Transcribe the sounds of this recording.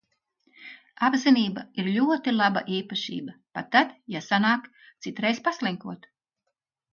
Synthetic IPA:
abziniːbaiɾlʲuɔt̪ilˠaba̰ʔiːpaʃḭːbapat̪ːad̪jasanaːk̪ | sit̪ɾɛjspaslˠɛŋkuɔt̪

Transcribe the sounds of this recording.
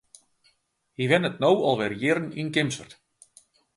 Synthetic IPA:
hivɛnət̪̚nowɔlˠvɛɾjɪːɾninkɪmsvər̥t̪

